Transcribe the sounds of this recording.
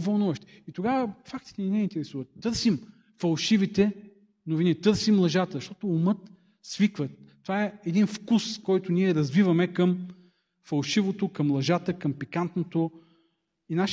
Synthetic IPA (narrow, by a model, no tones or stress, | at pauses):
vɐlˠnuvəʃt̪i̥it̪oɡavəfak̚t̪i̥t̪ɛninɛint̪ɛɾɛsuvət̪ːɤɾsim | fɐlˠʃivit̪ɛ | novinit̪ɤɾsimlˠɐʒat̪əzʃt̪ɔt̪oːmɤt̪ | svikvət̪ːovaɛɛd̪infkuskɔjt̪ʊniɛɾɐzvivɐmɛkɐm | fɐlˠʃivot̪okɐmlˠɐʒat̪əkɐmpikant̪not̪o | inaʃ